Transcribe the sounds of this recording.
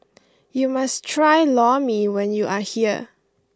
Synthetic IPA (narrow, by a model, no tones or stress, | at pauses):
jumastʰɹajlɔmiwɛ̃njuʔahiə̰